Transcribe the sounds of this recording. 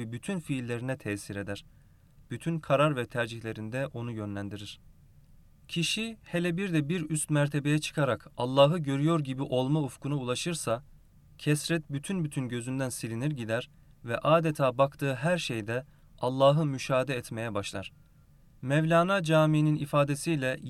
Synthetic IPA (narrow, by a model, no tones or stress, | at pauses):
ibyt̪ʰynfiːlʲːe̞ɾinɛt̪ʰɛsiɾe̞d̪æɾ̥ | b̥yt̪ʰynkʰaɾaɾvɛt̪ʰæɾd͡ʒiçlʲe̞ɾind̪ɛʔo̞nujø̞nlʲænd̪iɾiɾ̥ | cʰiʃihelʲɛbiɾd̪ɛbiɾyst̪mæɾt̪ʰe̞be̞jɛt͡ʃʰɯ̥kʰaɾakalˠːaːɦɯɟø̞ɾyjo̞ɾɟibiʔo̞lˠmaufkunaulˠaʃɯɾsa | cʰɛsɾɛt̪̚byt̪ʰynbyt̪ʰynɟø̞zynd̪ænsilʲiniɾɟid̪æɾ | vɛʔaːd̪et̪ʰaːbakt̪ʰɯːɦæɾʃejd̪ɛ | alˠːaːɦɯmyʃaːd̪ɛːt̪me̞jɛbaʃlˠa̰ɾ̥ | mɛvlʲaːnad͡ʒaːmiːninifaːd̪e̞sijlʲɛ